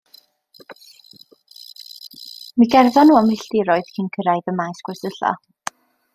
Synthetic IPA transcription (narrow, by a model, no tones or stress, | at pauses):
miɡɛrðɔnuːamɪɬtɪɾɔɨð̥kʰinkʰəɾaɨðəmajsɡ̥wɛsəɬa̰